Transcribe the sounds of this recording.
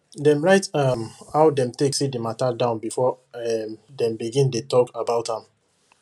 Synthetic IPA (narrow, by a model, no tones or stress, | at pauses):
dɛ̃mɹaɪtamhaʊdɛ̃mteksit̚dimatadãʊ̃nbifɔ | ɛmdɛ̃mbiɡĩndetɔkabaʊthãm